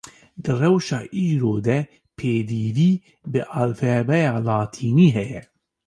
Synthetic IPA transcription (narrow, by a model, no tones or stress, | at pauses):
d̪ɨrɛwʃaːʔiːɾoːd̪ɛ | pʰeːd̪iːviː | bɨʔaːlfɛbɛjaːlaːt̪ʰiːniːɦɛjɛ